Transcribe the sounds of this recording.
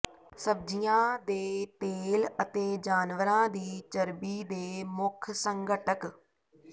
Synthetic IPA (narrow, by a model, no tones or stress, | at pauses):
səb̚d͡ʒijãːd̪eːt̪eːlət̪eːd͡ʒaːnʋəɾãːd̪iːt͡ʃəɾbiːd̪eːmʊkʰsəŋɡəʈək